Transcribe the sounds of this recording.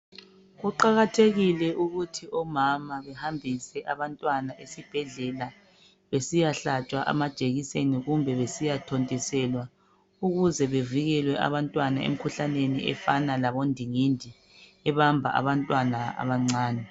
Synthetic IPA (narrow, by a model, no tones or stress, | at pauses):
ɣuǃaɣatʰeɣilɛʔuɣutʰiʔɔmamaβɛhambʱisɛʔaβantʼwanaʔesib̥ʱɛɮɛla | βesijaɬat͡ʃʼwaʔa̰mad̥ʒ̥ʱeɣiseniɣumbʱɛβesijatʰontʼisɛlwa | uɣuzɛβeviɣɛlwɛʔa̰βantʼwanaḛm̩kʰuɬaneniɛ̰fanalaβondʱiŋindʱi | ɛβambʱaʔa̰βantʼwanaa̰βaŋ͡ǀaːnɛ